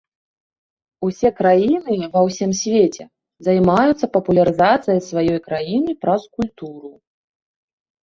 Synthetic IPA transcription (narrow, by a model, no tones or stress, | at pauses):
usʲɛkɾajinɨvɐwsʲimsʲvʲet͡sʲɛ | zajmajut̪sːɐpɐpulʲɐɾɨzat̪sɨjɐjsvajɔjkɾajinɨpɾɐskulʲt̪uɾu